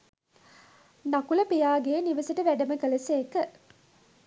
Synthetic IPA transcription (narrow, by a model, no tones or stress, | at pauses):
nakulɐpijaːɡeːniʋɐsɐʈəʋæɖɐməɡəlɐseːkə